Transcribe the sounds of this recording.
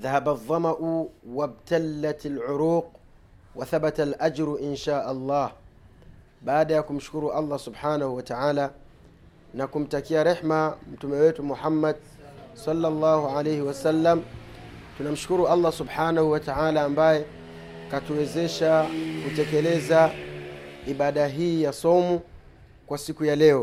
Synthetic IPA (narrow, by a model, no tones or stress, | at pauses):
ðahabaðˤːɑmaʔuwab̚talːatalʕʊɾuːq̚ | waθabatalʔad͡ʒɾuʔɪnʃaːʔalˤːɑːh | baːɗajakum̩ʃu̥kuɾuʔalˤːɑsubħaːnahuwataʕaːla | nakum̩takiaɾeħmam̩tumɛwɛtumuħamːad | sɑlːalːɑːɦuʕalejhiwasalːam | tunam̩ʃu̥kuɾuʔalˤːasubħaːnahuwataʕalaːmbajɛ | katuwɛzɛʃakutɛkɛlɛza | iɓaɗaɦiːjasɔmu | kwasikujalɛɔ